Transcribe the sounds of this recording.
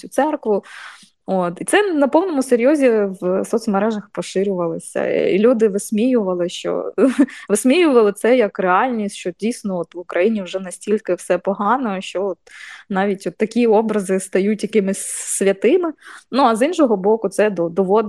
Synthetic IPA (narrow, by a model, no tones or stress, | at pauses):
ʊt̪sɛrkʋʊ | ot̪it̪sɛnɐpɔwnɔmʊseɾʲjɔzʲiʋsɔt̪sʲmɐɾɛʒɐxpɔʃɪɾʲʊʋɐlˠɪsʲɐ̰ḭlʲud̪ɪʋɪsʲmʲijʊʋɐlˠɪʃt͡ʃɔ̰ʋɪsʲmʲijʊʋɐlˠɪt̪sɛjɐkreɑlʲnʲisʲʃt͡ʃɔdʲijsʲnɔɔt̪ʋʊkɾɐjinʲiwʒɛnɐsʲtʲilʲkɪwsɛpɔɦɑnɔʃt͡ʃɔɔt̪̚nɑʋʲitʲɔt̪ːɐkʲiɔbɾɐzɪst̪ɐjutʲjɐkɪmɪsʲsʋʲɐt̪ɪmɪnuɐzinʃɔɦɔbɔkʊt̪sɛd̪ɔd̪ɔʋɔd̪